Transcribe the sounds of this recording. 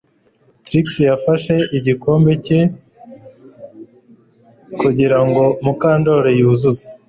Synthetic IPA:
tɾiksijafaʃe̞ʔiɟiko̞ːmbe̞ce̞ | kuɟiɾaŋɡo̞mukaːndo̞ɾejuːzuze

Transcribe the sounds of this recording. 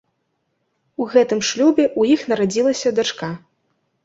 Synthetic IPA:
uɣɛt̪ɨmʂlʲubʲɛʔujixnɐɾad͡zʲilˠɐsʲɐd̪at͡ʂka

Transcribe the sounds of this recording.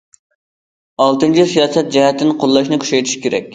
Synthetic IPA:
ɑlˠt̪ɨnt͡ʃʰisijɑːsɛt̪̚d͡ʒɛhɛt̪ːɪnqʰolˠːɑʃnɪkʲʰy̥ʃɛjt̪ʰi̥ʃkʲʰeɾɛ̰kʲ

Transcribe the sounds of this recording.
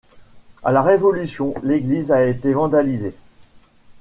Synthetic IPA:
a̰laʁevɔlysjɔ̃leɡlizaet̪evɑ̃d̪alize

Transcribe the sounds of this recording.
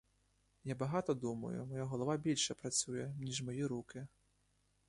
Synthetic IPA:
jabaɣat̪ɔd̪umɐ̰jṵmɔjaɣɐlˠavabʲilʲʂɐpɾat̪sʲujɛnʲiʐmajiɾukʲi

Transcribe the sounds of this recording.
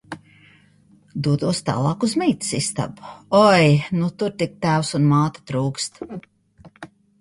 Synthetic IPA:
d̪uɔt̪uɔst̪ɑ̰ːlˠɑːkuzmijt̪sist̪a̰buɔjnut̪uɾt̪ik̚t̪æwsunmaːt̪ḁt̪ɾuːkst̪

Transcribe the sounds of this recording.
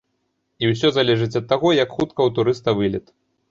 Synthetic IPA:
iwsʲɔzalʲɛʐɨt͡sʲɐt̪ːaɣɔjɐkxut̪kɐwt̪uɾɨst̪ɐvɨlʲɛt̪

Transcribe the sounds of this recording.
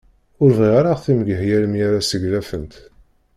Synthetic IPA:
ʊɾviʁaɾaʁθimɡəɦjæləmjaɾasəʝlæfənt̪

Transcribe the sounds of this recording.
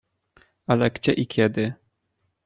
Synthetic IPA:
alɛɡd͡ʑɛʔikʲjɛd̪ɘ

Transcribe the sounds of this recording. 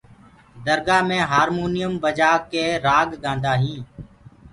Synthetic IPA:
d̪əɾɡaːmẽːɦaːɾmoːnɪjəmbəd͡ʒaːkeːɾaːɡɡãːnd̪aːɦĩː

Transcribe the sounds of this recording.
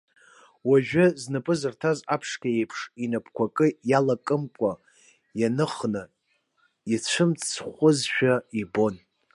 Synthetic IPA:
waʒᶣʊznɨpʼɨzɨrtʰazapʰʂkʲaejpʰʂinapʰkʷʰakʼɨjalakʼɨmkʷʼa | janɨχnɨ | it͡ʃʷʰɨmt͡sʰχʷʊzʃᶣaibo̞n

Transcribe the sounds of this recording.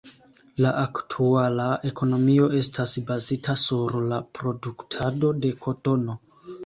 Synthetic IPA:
laʔaktʰualae̞ko̞no̞mio̞ʔe̞stʰasbazitasuɾlapɾo̞duktʰado̞de̞kʰo̞to̞no̞

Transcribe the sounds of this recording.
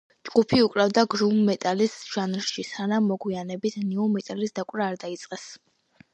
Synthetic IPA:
d͡ʒɡ̥upʰiukʼɾavd̪aɡɾumːɛt̪ʼalisʒ̥anɾʃisanamːɔɡwianɛbit̪ʰniumɛt̪ʼalisd̪akʼɾaːɾd̪ait̪sʼqʼɛs

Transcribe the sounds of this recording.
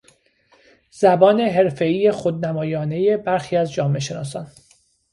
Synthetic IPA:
z̥æbɒːne̞ɦe̞ɾfe̞iːjexod̪̚næmɒːjɒːne̞je̞bæɾxiːæzd͡ʒɒːme̞ʃ̬e̞nɒ̰ːsɒn

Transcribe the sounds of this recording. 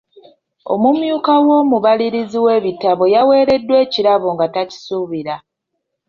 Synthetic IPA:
o̞̰mumjuːkawo̞ːmuβaliɾiziwe̞ːβitaβo̞jawe̞ːɾe̞dːwe̞ːciɾaβoŋɡataci̥suβiɾa

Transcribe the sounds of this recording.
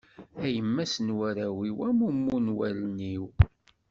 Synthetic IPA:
æjəmːæsənwæɾæwiwæmumːunwælniw

